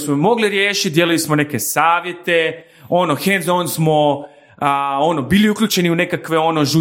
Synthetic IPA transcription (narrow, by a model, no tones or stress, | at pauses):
smomo̞ɡliɾje̞ːʃit̪d̪je̞lujlismone̞ke̞saːʋje̞t̪e̞ | o̞noxenzonsmo̞ | o̞no̞biːliukʎʲut͡ɕe̞niune̞kakʋe̞o̞no̞ʒu